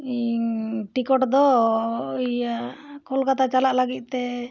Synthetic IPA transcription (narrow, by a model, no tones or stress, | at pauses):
iʈikɔʈd̪ɔ | jaʔkʰɔlkat̪at͡ʃalaʔlaɡit̪̚ˀt̪ɛ